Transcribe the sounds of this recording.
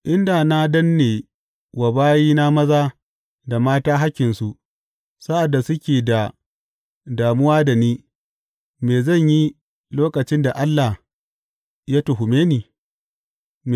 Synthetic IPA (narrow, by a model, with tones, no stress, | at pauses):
ʔɪ˦nda˨na˦dɐ˦nːeː˨ | wa˨baː˦jiː˦na˦mɐ˦zaː˦ | da˨maː˦taː˦ɦa˦kʲɪ˨nsu˨ʔ | sa˦ʔa˨dːa˨sʊ˦kʲeː˨da˨ | daː˨mʊ˦waː˦da˨niː˦ | meː˨zɐ˦˨ɲji˦ | loː˦kɐ˨t͡ʃɪ˦nda˨ʔa˦lːa˨h | ja˦tʊ˨ɦʊ˨meː˦niː˨